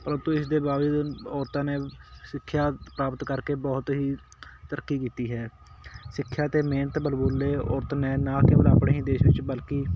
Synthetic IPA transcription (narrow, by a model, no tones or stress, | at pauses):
pələ̃nt̪õːɪsd̪eːbaːʋd͡ʒuːd̪ɔːɾt̪ãːneːsɪkʰːjaːpɾaːpət̪kəɾkeːbɔːt̪ɦiː | t̪əɾəkːiːkiːt̪iːɦɛː | sɪkʰːjaːt̪eːmeːnət̪bəlboːleːɔ̰ːɾt̪nɛːnãːkɪbəlaːpɳeːɦĩːd̪eːʃʋɪt͡ʃbəlkiː